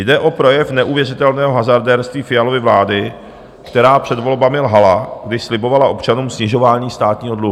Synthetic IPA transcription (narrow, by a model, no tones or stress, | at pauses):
jdɛʔo̞pɾo̞jɛfnɛʔuvjɛrɪt̪ɛlnɛːɦo̞ɦazaɾdɛːɾst̪viːfɪjalo̞vɪvlaːdɪ | kt̪ɛɾaːpr̝̥ɛdvo̞lbamɪlɦalaɡdɪʃslɪbo̞valaʔo̞pt͡ʃanuːmsɲɪʒo̞vaːɲiːst̪aːt̪ɲiːɦo̞dluɦu